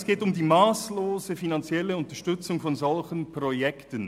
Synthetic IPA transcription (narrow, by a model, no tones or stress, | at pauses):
sɡ̥eːtʊmdiːmaːsloːzəfinant͡sjɛləʊntɐʃtʏt͡sʊŋfɔnzɔlçənpʁojɛktən